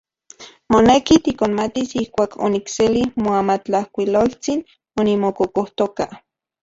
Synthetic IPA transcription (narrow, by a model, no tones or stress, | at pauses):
monekit̪ikonmat̪isihkʷaːkʰo̰nikselihmoamat͡ɬahkʷilolt͡sin | onimokokoht̪oka